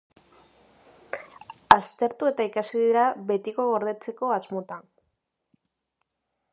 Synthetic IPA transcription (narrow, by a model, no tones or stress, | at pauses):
ast̪e̞ɾt̪ue̞t̪aikasiðiɾaβe̞t̪iko̞ɣo̞ɾð̞e̞t͡se̞ko̞azmo̞t̪an